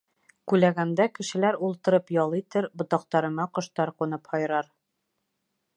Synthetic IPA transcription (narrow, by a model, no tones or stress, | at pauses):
kʉlæɡæmd̪ækɘ̆ʃɘ̆læɾulˠt̪ɤ̆ɾɤpjɒlˠit̪ɘɾbŏt̪ɑq̚t̪ɑɾɤ̆mɑqŏʃt̪ɑɾqunɤphɒjɾɑɾ